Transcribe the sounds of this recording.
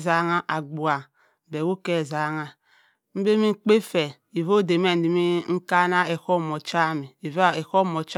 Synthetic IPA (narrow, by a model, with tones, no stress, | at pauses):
za˨˦ŋa˦ʔa˨ɡ͡bu˨a˨ | be˨wu˦ke˦˨za˨˦ŋa˦ | m̩˦be˦mi˦ŋ͡m̩˦k͡pe˦fe˨ | i˨vo˦˨de˨me˦n̩˨di˨mi˦ŋ̩˦ka˦na˦e˨ko˦˨mo˨t͡ʃa˦mi˨i˨va˦e˨ko˦˨mo˨t͡ʃ